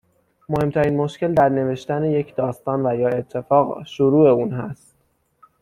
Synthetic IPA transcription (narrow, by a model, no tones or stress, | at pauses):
mohe̞mt̪ʰæɾiːnmo̞ʃce̞ld̪æɾne̞ve̞ʃt̪æne̞je̞cʰd̪ɒːst̪ɒːnvæjɒːe̞t̪ʰːe̞fɒːɣʃoɾuːe̞uːnɦæst̪